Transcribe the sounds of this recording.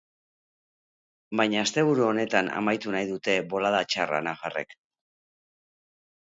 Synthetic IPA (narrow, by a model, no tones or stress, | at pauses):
bajɲaːst̪e̞β̞uɾuo̞ne̞t̪ana̰majt̪unajðut̪e̞βo̞lað̞at͡ʃara̰nafare̞̰k